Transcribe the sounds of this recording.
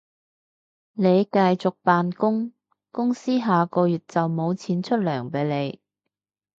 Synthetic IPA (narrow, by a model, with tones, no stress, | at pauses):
ne˨˧jkɐ˧jt͡sʊ˨k̚paː˨nkʊ˥ŋ | kʊ˥ŋsiː˥ɦaː˨kɔː˧jyː˨t̚t͡sɐ˨wmo˨˧wt͡sʰiː˨˧˥nt͡ʃʰɵ˥t̚lœː˨˩ŋpe˨˧jle˨˧j